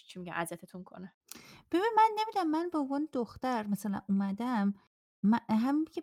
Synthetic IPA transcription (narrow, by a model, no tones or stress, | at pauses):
t͡ʃʰimiɟæ̰mʔæzæt̪ʰet̪ʰuŋkʰo̰ne | b̥ebinimænːe̞miːd̪æmːænbeõvɒːned̪oxt̪æɾmæsælæ̰nʔumæd̪æmː | æɦæminkʰe